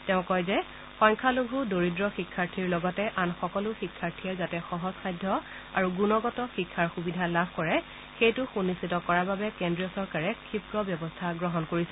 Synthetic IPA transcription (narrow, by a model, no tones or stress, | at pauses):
tɛʊ̃kɔjzɛ | xɔŋkʰaluɡʱudoɹidɹɔxikʰːaɹtʰiɹlɔɡɔtɛʔanxɔkɔlʊxikʰːaɹtʰiɛzatɛxɔɦɔsxajdʱːɔ | aɹuɡunɔɡɔtɔxikʰːaɹxubidʱalabʱkɔɹɛ | xejtʊxunisitɔkɔɹababɛkendɹiɔsɔɹkaɹɛkʰipɹɔbjɔbɔstʰaɡɹɔɦɔnkoɹisɛ